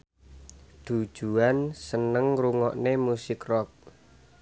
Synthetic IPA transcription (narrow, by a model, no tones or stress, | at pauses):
d̪̥ud̥ʒ̥uansənəŋruŋɔʔnemusɪkrɔk̚